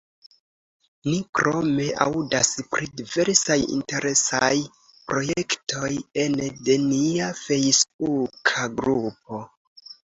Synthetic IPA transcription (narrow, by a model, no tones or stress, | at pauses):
nikɾo̞me̞ʔa̰udaspɾʔidive̞ɾsajḭnte̞ɾʔe̞saj | pɾo̞jektʰo̞jende̞niafe̞jsbukʰaɡɾup̚o̞